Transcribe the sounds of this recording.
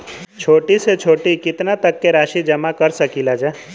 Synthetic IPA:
t͡ʃʰoːʈiset͡ʃʰoːʈikɪt̪nat̪əkːeɾaːʃid͡ʒəmakəɾsəkilad͡ʒɛ

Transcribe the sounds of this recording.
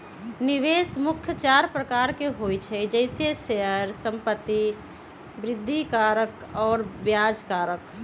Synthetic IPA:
niʋeːsmʊkʰjət͡ʃaːɾpɾəkaːɾkeɦojt͡ʃʰɛd͡ʒəɪseʃeɦəɾsə̃mpət̪ːi | bɾɪd̪ʱːikaːɾək | ɔːɾbjad͡ʒkaːɾək

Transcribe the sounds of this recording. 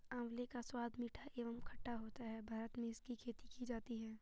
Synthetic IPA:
ãːwlekaswaːd̪ʱmiːʈʰaʔeːʋəmkʰɐʈːaɦoːt̪aɦɛbʱaːɾət̪mẽɪskikʰeːt̪ikid͡ʒaːt̪iɦɛː

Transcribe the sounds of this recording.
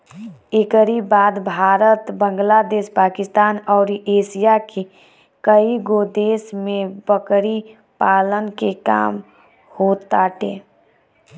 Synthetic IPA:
ekəɾibaːd̪bʱaːɾət̪bə̃ŋɡlaːd̪eːʃpaːkɪst̪aːnɔːɾiʔeːʃijake | kəiɡod̪eːsmẽbəkɾi | paːlənkeka̰ːm | hoːt̪aʈeː

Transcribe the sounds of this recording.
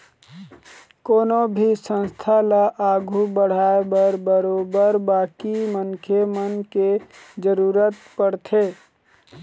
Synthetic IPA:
koːnobʱisə̃nst̪ʰalaʔaɡʱubəɽ̤aebəɾbəɾobəɾbakimənkʰemənked͡ʒəɾuːɾət̪pəɽt̪ʰe

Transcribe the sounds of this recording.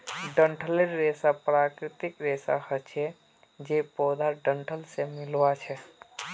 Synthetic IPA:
ɖə̃ɳʈʰəleɾːeːsapɾaːkɾɪt̪ɪkɾeːsa̰hət͡ʃʰɛ | d͡ʒepɔːd̪aɖə̃ɳʈʰəlsemɪlʋat͡ʃʰɛ

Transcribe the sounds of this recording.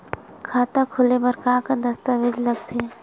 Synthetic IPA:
kʰaːt̪akʰʊlebɐɾkaːkad̪ɐst̪aʋɪd͡ʒlɐɡt̪ʰeː

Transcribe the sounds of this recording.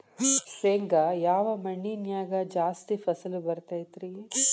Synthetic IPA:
sʋeːŋɡɐjaːʋɐmɐɳːinjaːɡɐd͡ʒaːst̪ipʰɐsɐlubɐɾt̪aːjt̪ɾi

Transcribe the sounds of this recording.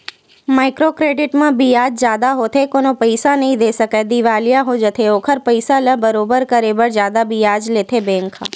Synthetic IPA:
maɪkɾokɾeɖɪʈmãbijad͡ʒd͡ʒjad̪aɦot̪ʰekonopəjsanəɦĩd̪esəkad̪iʋalijaɦod͡ʒət̪ʰeokʰəɾpəjsalə̃bəɾobəɾkəɾebəɾd͡ʒjad̪abijad͡ʒlet̪ʰebẽŋkʰa̰

